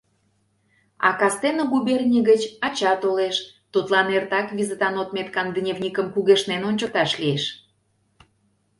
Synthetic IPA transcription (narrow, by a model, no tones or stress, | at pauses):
ɑ̰kɑst̪enəɣubernʲiɣət͡ɕɑt͡ɕɑt̪oleʃ | t̪ut̪lɑnert̪ɑkβizət̪ɑnot̪̚met̪kɑnd̪nʲevnʲikəmkuɣeʃnenonʲt͡ɕə̆k̚t̪ɑʃlieʃ